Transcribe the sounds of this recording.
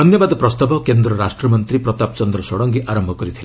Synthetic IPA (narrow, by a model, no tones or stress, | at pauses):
ɔnjɔbad̪ɔpɾɔst̪abʱɔkend̪ɾɔɾasʈɾɔmɔnt̪ɾipɾɔt̪ap̚t͡ʃɔnd̪ɾɔsɔɽɔŋɡiʔaɾɔmbʱɔkɔɾit̪ʰila